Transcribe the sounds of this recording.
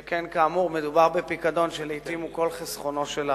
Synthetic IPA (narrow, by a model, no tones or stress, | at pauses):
kenkaːmuʁmed̪ubaʁbepikad̪o̞nʃelit̪imuko̞lχesχo̞no̞ʃela